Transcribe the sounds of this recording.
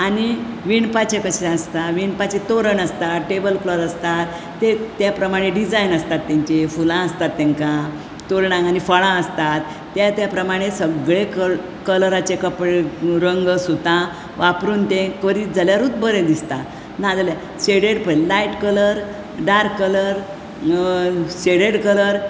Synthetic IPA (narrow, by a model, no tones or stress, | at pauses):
aɽ̃iʋiɳpat͡ɕekəɕɾãəst̪aʋiɳpat͡ɕet̪oɾəɳəst̪aʈebəlfləɾəst̪at̪ː | et̪japɾəmaɽ̃eɖid͡zajinəst̪at̪ːɛ̃ɲt͡ɕefulãəst̪at̪ːẽŋkã | t̪oɾɳãanifəɭãəst̪at̪ːjat̪japɾəmaɽ̃esəɡɭek | kələɾat͡ɕekəpɽɾəŋɡsut̪ã | ʋapɾuːnt̪ẽkəɾiːt̪̚d͡zaljaɾuːt̪̚bəɾed̪ist̪a | nad͡zalja | ɕeɽeɽpəlaiʈkələɾ | ɖaɾkələɾ | ɕeɽeɽkələɾ